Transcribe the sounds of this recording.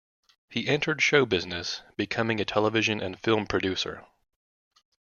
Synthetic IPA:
hiʔɛ̃ntʰə˞d̥ʃoʊbɪznɨsb̥ɨkʰʌmɪ̃ŋɨtʰɛlˠəvɪʒɨ̃nʔɨ̰̃nfɪlˠmpʰɹ̥ɨdʉsə̰˞

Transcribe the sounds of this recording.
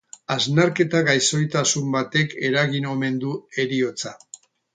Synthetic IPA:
aznaɾke̞t̪aɣajso̞jt̪asumbat̪e̞ke̞ɾaɣino̞me̞nd̪ue̞ɾio̞t͡sa

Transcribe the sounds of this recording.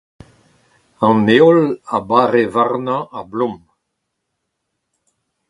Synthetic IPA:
ɑ̃neɔlabaʁevaʁnãablɔ̃m

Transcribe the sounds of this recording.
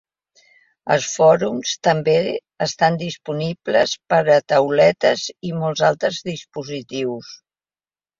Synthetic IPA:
ə̰lˠsfɔɾumst̪əmbe | əst̪and̪ispuniblə̰spəɾət̪əwlɛt̪əzimɔlˠzalˠt̪ɾəzðispuzit̪iws

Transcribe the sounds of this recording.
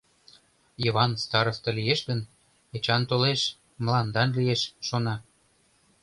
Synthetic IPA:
joβɑnst̪ɑɾoft̪ɤ̆lijeʃɣən | et͡ɕɑnt̪oleʃ | mlɑnd̪ɑnlieʃʃonɑ

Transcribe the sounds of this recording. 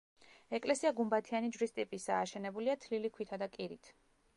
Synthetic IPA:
ɛkʼlɛsiaɡumbat̪ʰianid͡ʒvɾist̪ʼipʼisaːʃɛnɛbuliat̪ʰlilikʰwit̪ʰad̪akʼiɾit̪ʰ

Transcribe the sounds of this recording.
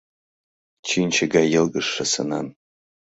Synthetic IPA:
t͡ʃʰint͡ʃʰaɡajɪlɡɨʂasa̰na̰n

